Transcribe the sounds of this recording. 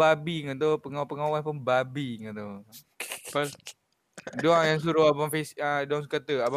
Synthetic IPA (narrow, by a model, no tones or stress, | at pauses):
abiŋət̪̬opəŋapəŋawanpʊnbabiŋat̪o | pal | doaŋjaŋs̬uɾuabamfesãdoaŋskat̪əaba